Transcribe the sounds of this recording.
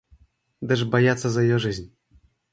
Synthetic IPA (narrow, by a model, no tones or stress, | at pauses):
d̪ɛʐbajat̪sazajɔʐɘʑʲnʲ